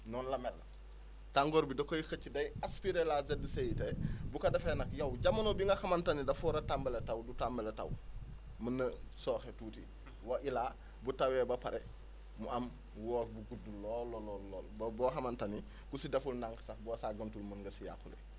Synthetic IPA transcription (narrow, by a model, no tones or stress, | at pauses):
nɔːnlɐmɛl | taŋɡɔːɾbidokojixət͡ʃːidɐjaspiɾelazedːisejitebukɐdɐfenɐkjawɟamːɐnobiŋɡɐxamantanidɐfɔɾɐtambeletawdutambeleta̰w | mɐnːɐsɔːxetuːti | waʔila | butawɛbɐpaɾʔɛ | muʔɐm | wɔːbuɡudulɔlɔlɔlːɔːlbbɔxɐmantani | kusidɐfulnaŋkɐ̥safbɔːsaːɡəntulmənŋɡɐsija̰kːulḛ